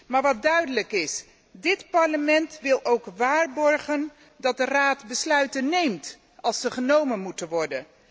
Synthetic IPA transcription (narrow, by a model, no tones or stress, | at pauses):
maːɹʋɑt̚dœɥdələkɪs | dɪtpɑɹləmɛntʋɪlˠowkʋaːɹbɔɹχən | dɑt̚dəraːtbəslœɥtənejmt | ʔɑlˠsəχənowmənmutənʋɔɹdən